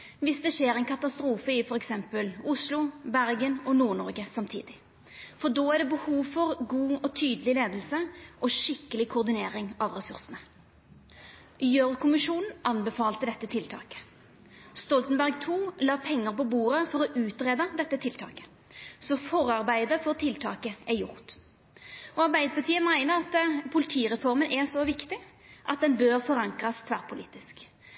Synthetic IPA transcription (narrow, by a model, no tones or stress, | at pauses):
ʋɪsd̪ɛʃeːɾɛɪnkʰɑt̪ɑst̪ɾuːfəɪfɔɾɛksɛmpəlʊslʊbæʁɡənɔnuːʁnɔʁɡəsɑmt̪ʰḭːd̪ɪ | fɔʁd̪oːæʁɖ̪ɛbəhuːʋfɔʁɡuːɔt̪ʰyːd̪əlɪleːd̪lsəʔɔʃɪkːəlɪkʰʊʁd̪ɪneːʁɪŋɑʋʁɛsʉʁsənə | jøʁkʊmɪʂuːnn̩ɑnbɛfɑːlt̪əd̪ɛt̪ːət̪ʰɪlt̪ʰɑ̰ːkə̥ | st̪ɔlt̪n̩bæʁɡt̪ʰuːlɑːpʰɛŋːəʁpɔbuːʁəfɔʁɔʔʉːt̪ʁeːd̪əd̪ɛt̪ːət̪ʰɪlt̪ʰɑ̰ːkə̥ | sɔfɔʁɑʁbæɪd̪əfɔʁt̪ʰɪlt̪ʰɑ̰ːkəɛjʊ̰ʁt̪ | ɔɑʁbæɪd̪əpɑʁt̪ʰiːəmæɪnəɾɑt̪pʰʊlɪt̪ʰiːʁɛfɔʁmənʔɛsɔʋɪkt̪ɪ | ʔɑt̪̚d̪ɛnbøːʁfɔʁɑŋkʁɑst̪ʰʋæʁpʰʊlḭːt̪ɪsk